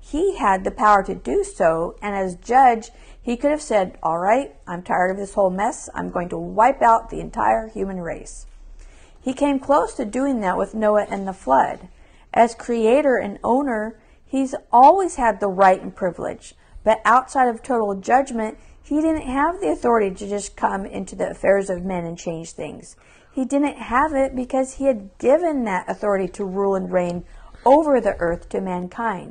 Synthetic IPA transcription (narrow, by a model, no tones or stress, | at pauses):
hiɨd̪̚ðɨpʰaʊə˞ɾɨdɨsoʊɨ̃nɨzd͡ʒʌd͡ʒ | hikʰʊɾɨv̥sɛɾɔ̰lˠɹaɪt̚ʔãɪ̃mtʰaɪə˞ɾʌvðɪshoʊlˠmɛsã̰ɪ̃mɡoʊɪ̃ŋtʰəwaɪpaʊt̪̚ðḭɨ̃ntʰa̰ɪə˞hjʉmɨ̃nɹeɪs | hikʰẽɪ̃mkʰl̥oʊstʰɨdʉɪ̃ŋðɨʔ̚wɨðnoʊəʔɨ̃nðəflʌ̰ɾ | ʔɨz̥kʰɹ̥ieɪɾə˞ɨ̰̃nõ̰ʊ̃nə˞ | izʔɔlˠwiz̥ɨd̪̚ðəɹaɪɾn̩pʰɹ̥ɪvlɪ̰̥d͡ʒ | b̥ʌɾʔaʊtsaɪɾʌv̥tʰoʊɾl̩ˠd͡ʒʌd͡ʒmɨ̃nt̚hidɪdⁿn̩t̚ɦəvðiɨθɔɹɨɾiɾɨd͡ʒʌskʰʌ̃mɪ̰̃ntʰʉðiɨ̰fɛɹzʌvmɛ̃nɨ̃nt͡ʃʰẽɪ̃nd͡ʒʒ̥θɪ̰̃ŋz̥ | hidɪdⁿn̩thəvɪt̚b̥ɨkʰʌz̥iɨd̚ɡɪvɨ̃nðɨɾɨθɔɹɨɾiɾəɹulˠə̃nɹẽɪ̃noʊvə˞ðiʔɜ˞θtʰɨmæ̃nkʰãɪ̃nd̥